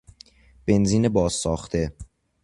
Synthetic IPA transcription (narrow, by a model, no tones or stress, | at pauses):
b̥e̞nziːnebɒːz̥sɒːxt̪ʰe̞